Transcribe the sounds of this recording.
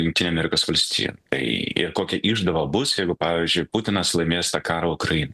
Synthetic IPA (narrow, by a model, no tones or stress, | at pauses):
jʲʊŋk̚ʲtʲinʲɛɐmʲɛɾʲɪkoːsʋɐlʲsʲt̪ʲḭːjɛ̰t̪ɐɪɪ̰rkoːkʲɛʔiʒd̪ɐʋɐbʊsjɛɪɡʊpɑːʋʲiːzʲd͡ʒʲʊɪpʊt̪ʲɪnɐslˠɐɪmʲeːst̪ɑkɑːɾɐʊkɾɐjiːnɐ